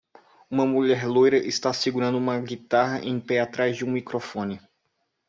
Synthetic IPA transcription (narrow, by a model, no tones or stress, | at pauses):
ũmɐmuʎɛɾlojɾɐʔɪst̪asiɡuɾɐ̃nd̪ʊũmɐɡit̪aɦɐʔẽj̃pɛat̪ɾazd͡ʒɪũmikɾofõnɪ